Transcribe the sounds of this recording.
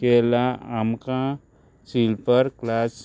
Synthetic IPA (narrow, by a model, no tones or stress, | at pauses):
elaamkã | siːlpəɾklaːs